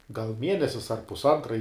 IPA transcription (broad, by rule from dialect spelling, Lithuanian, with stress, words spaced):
ɡɐlˠ ˈmʲiɛnʲɛsʲɪs ɐr pʊsˈɐntrɐ ɪ